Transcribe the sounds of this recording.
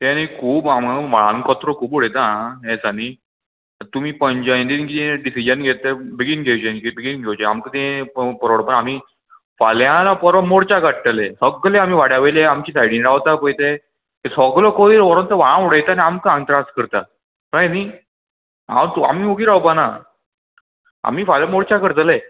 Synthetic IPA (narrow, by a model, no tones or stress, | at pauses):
t̪eanikʰuːpamaʋaɭa̰nkɔt̪ɾokʰuːboɽejt̪ãɦesani | t̪um̤iːpəɲd͡ʑajnd̪ikit̪eɖisid͡ʑənɡʱet̪ːebiɡinɡʱewt͡ɕenikibiɡinɡʱewt͡ɕea̰mkət̪ẽpɔɾoɽpəɳam̤i | faljãlapəɾoɽmoɽt͡ɕakəʈ̚t̪əlesəɡleam̤iːʋaɽjaʋejleamt͡ɕiːsajɽiːnɾaʋt̪apəjt̪e | esɔɡlɔkoliɾɔɾont̪əʋaɭãuɽajt̪aniamkaaŋt̪ɾaskəɾt̪a̰ | ɾajni | a̰mt̪ua̰miːuɡiːɾawpana̰ | a̰m̤iːfaljamoɽt͡ɕakəɾt̪əle